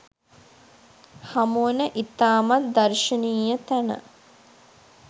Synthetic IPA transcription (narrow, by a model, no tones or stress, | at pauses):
hamunəʔit̪aːmat̪̚d̪ɐrʃəniːjət̪ænə̰